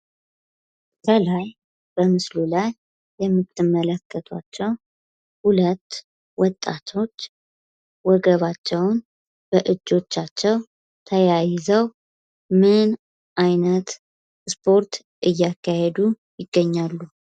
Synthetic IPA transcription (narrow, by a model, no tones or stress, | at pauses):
kʰəlaj | b̥əmɨslulajː | ɛmːɨt̪ʰːɨmːələkʰːət̪ʰwa̰t͡ʃːɛw | hulət̪ː | wɔt̪ʼːa̰t̪ʰo̞t͡ʃː | wɔɡəβat͡ʃːɛwn | b̥əʔɨd͡ʒːo̞t͡ʃːat͡ʃːɛw | t̪ʰəjajɪzəw | mɨn | ʔajnət̪ | spʰo̞ɾt̪ | ʔɨjːakːahed̪u | jɪɡːəɲːalːu